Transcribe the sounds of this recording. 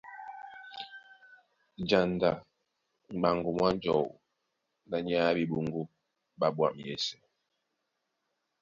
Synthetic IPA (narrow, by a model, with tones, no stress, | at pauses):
d͡ʒa˨nda˨ | ŋ͡m̩˨ɡ͡ba˨ŋɡu˨mwa˦n˦d͡ʒɔ̰˨ | na˨ɲ˦a˦bi˨bu˨ŋɡu˦ | ba˦bwa̰˨m˨jḛ˨sɛ̥˨